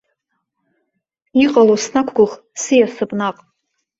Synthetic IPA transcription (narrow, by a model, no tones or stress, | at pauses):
iqʼalosnakʷʰɡʷʊχ | sijasɨpʼnaqʼ